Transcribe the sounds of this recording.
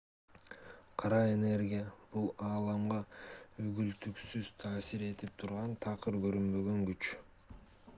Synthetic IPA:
qʰɑɾɑe̞ne̞ɾɡʲijab̥ulˠɑːlˠɑmʁɑyɡylt̪yksyz̥t̪ʰɑːsiɾe̞t̪ip̚t̪ʰuɾʁɑnt̪ʰɑqɯɾɡø̞ɾynbø̞ɡø̞ŋɡyt͡ʃ

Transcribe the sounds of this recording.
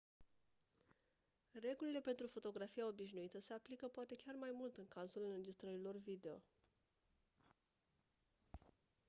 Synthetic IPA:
re̞ɡulile̞pe̞nt̪ɾufo̞t̪o̞ɡɾafijaobiʃnuit̪əse̞aplikəpoat̪e̞kʲarmajmult̪ɨŋkazulɨɾe̞d͡ʒist̪ɾəɾilo̞rvid̪e̞o̞̰

